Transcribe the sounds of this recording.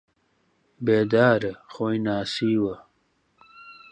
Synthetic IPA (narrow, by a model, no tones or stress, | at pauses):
beːd̪aːɾɐxojnaːsiːwɐ